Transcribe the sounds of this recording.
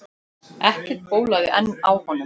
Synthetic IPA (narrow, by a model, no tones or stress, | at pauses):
ɛhcɪ̥t̪̚poːwlaːɣɪʔɛnːawhɔnːʏm